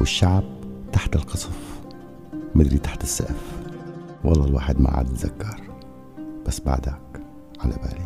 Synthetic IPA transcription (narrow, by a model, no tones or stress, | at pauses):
wɪʃːaʕb̚t̪aħt̪ɪlqɑsˤf | mɪd̪ɾit̪aħt̪ɪsːaʔf | wʔɑlˤːɑːlwa̰ːħɪd̪ma̰ʕa̰ːd̪ɪt̪zakːɑɾˤ | b̥asːba̰ʕd̪ak | ʕalaba̰ːli